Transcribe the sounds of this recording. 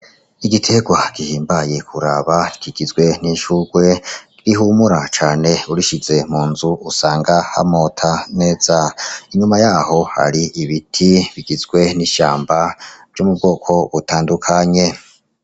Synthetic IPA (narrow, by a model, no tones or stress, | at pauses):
iɡitʰe̞ɡwaɡ̥ihiːmbaje̞kʰuɾaβaɡ̥iɡ̥izɡwe̞niʃuɡwe̞ | iɾiɦumuɾat͡ʃaːne̞uɾiʃize̞muːnzuusaːŋɡaha̰mo̞tʰane̞ːz̥aiɲumajaːho̞ha̰ɾiiβitʰiβiɡizɡwe̞niʃaːmbav̥jomubɡo̞ːkʰo̞βutaːndukʰaɲe̞